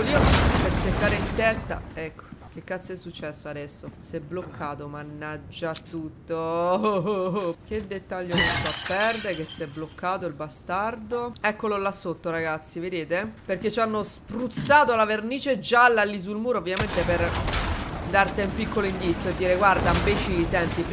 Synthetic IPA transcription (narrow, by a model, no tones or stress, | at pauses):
olioset̪ːekːaːɾeint̪ɛst̪a̰ɛkːo̥k̟ekːat̪sːɛsːut͡ʃːɛsːoad̪ɛsːosɛbːlokʰːaːt̪omanːad͡ʒːat̪ːut̪ːo | k̟ed̪ːet̪ːaʎːokost̪apːɛrd̪eɾekesːɛblokːaːt̪oilbast̪ard̪oɛkːololasːot̪ːoɾaɡat̪sːived̪eːt̪eperk̟et͡ʃanːospɾut̪saːt̪olaverniːt͡ʃed͡ʒalːalːis̬ulmuːɾoːvːjament̪eper | d̪art̪eumpikːoloind̪it̪sːjoed̪ːiːɾeɡward̪ambet͡ʃisɛnt̪ip